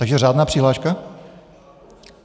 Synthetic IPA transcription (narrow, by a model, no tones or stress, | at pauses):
t̪aɡʒɛraːd̪naːpr̝̥iɦlaːʃka